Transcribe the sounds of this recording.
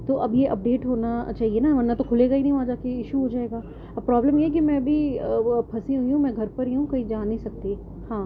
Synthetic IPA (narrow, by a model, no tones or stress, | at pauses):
t̪oʔɐbjeʔɐp̚ɖeːʈɦoːnat͡ʃaːɦienaʋɐɾnat̪okʰʊleɡainɐɦĩʋãad͡ʒaːkeɪʃuɦod͡ʒaːeːɡaː | pɾɔːbləmjeɛk̬imɛ̃ɐbʱipʰɐsẽɦʊiɦũmɛ̃ɡʱɐɾpɐɾɦiɦũkɐid͡ʒaːneĩsɐk̚t̪e | hãː